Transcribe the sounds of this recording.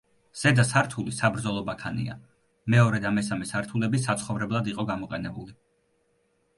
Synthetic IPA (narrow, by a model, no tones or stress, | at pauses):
z̥ɛd̪asaɾt̪ʰulisabɾd̪zɔlˠɔbakʰanḭa̰ | mɛɔɾɛd̪amɛsamɛsaɾt̪ʰulɛbisat̪sʰχɔvɾɛblˠad̪iqʼɔɡamɔqʼɛnɛbuli